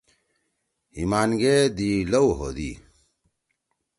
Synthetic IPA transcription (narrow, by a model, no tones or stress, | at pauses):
imaːnɡed̪ilɐwɦo̰d̪ḭ